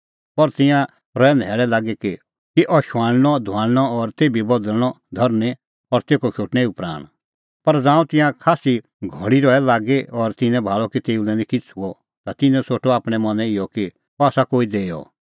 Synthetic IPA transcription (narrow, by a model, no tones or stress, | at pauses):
pɔɾt̪ɪ̃jã | ɾɔɛnd̪ʱɛːɭɛlaːɡeki | kiʔɔʃaːɽñɔd̪ʱʊãːɽñɔɔɾt̪eːbʱibɔd̪əlñɔ | d̪ʱɔɾnẽ | ɔɾt̪eːkɔʃoːʈnɛ̃iupɾa̰ːɽ̃ | pɐɾd͡zãːũt̪ɪ̃jãkʰaːsi | ɡʱɔɽ̃iɾɔɛlaːɡeɔɾt̪ɪ̃nɛ̃bʱaːɭɔkit̪eːulɛ̃nĩkɪt͡sʰuɔ | t̪at̪ɪ̃nɛ̃soːʈʰɔaːpɽ̃ɛmɐ̃nɛ̃ɪjɔki | ɔaːsakoːid̪eːjɔ̰